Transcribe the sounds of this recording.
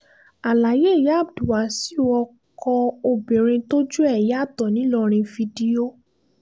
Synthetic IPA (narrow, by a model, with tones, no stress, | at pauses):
a˨la˨je˦˨ja˦˨˦bdu˨wa˨˦si˦˨wɔ˧ | kɔ˧o˧bĩ˨ɾ̃ĩ˧to˦d͡ʒu˦ɛ˦˨ja˦˨tɔ˨nĩ˨˦lɔ˦˧ɾ̃ĩ˧fi˧di˧o˦